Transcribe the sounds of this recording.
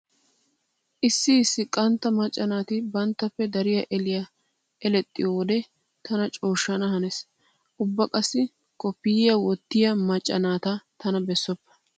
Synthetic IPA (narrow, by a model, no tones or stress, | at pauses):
ʔɪsːɪsːɪkʼːɐnt̪ːɐmɐt͡ʃʼːɐnaːt̪ɪbɐnt̪ːɐpːɛd̪ɐɾɪjɐʔɛlɪjɐ | ɛlɛt̪ʼːɪ̰jɔwɔd̪ɛ | t̪ʰɐnɐt͡ʃʼo̞ːʃːɐnɐhɐnɛs | ʔʊbːɐkʼɐsːɪ | kɔpːɪjjɐwɔt̪ːɪjɐmɐt͡ʃʼːɐ̰naːt̪ɐt̪ɐnɐbɛsːɔpːɐ̥